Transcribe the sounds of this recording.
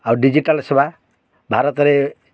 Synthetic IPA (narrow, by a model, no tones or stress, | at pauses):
awɖid͡ʒiʈalsebʱa | bʱaɾɔt̪ɾe